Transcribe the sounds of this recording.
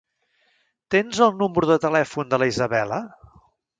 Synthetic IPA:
t̪enzəlˠnumɾuðət̪əlɛfund̪ələizəβɛlə̰

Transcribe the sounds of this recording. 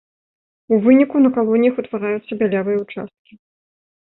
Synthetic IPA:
uvɨnʲikunɐkalˠɔnʲijɐxut̪vaɾajut̪sːɐbʲalʲavɨjɐut͡ʂa̰st̪̚kʲi

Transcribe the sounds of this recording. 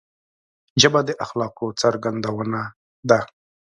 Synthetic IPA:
d͡ʒabad̪əʔaxlɑqot͡saɾɡand̪awəna | d̪a

